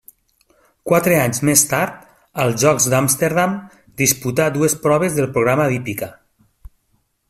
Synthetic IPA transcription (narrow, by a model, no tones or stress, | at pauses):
kwat̪ɾeaɲzmest̪aɾt̪ | əlˠzʒɔkzd̪amst̪eɾðam | d̪isput̪ad̪uespɾɔβ̞ezðəlˠpɾoɣɾamaðipika